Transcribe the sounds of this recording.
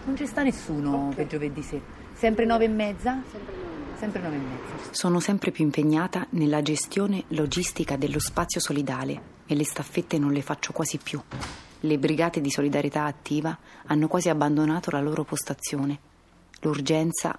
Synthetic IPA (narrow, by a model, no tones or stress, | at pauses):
nont͡ʃist̪anesːuːnoped͡ʒoved̪ːise | sɛmpɾenɔːvemːɛd̪zːa | sɛmpɾenɔːvemːɛd̪zːasoːnosɛmpɾʔepjuimpeɲːaːt̪anelːad͡ʒest̪joːnelod͡ʒist̪ikad̪elːospat̪sːjosolid̪aːlḛ | elest̪afːet̪ːenonlefat͡ʃːokwaːzipːju | lebɾiɡaːt̪ed̪isolid̪aɾjet̪aːt̪ːiːvaanːokwaːziabːand̪onaːt̪olaloːɾʔopost̪at̪sːjoːne | lurd͡ʒɛnt̪sa̰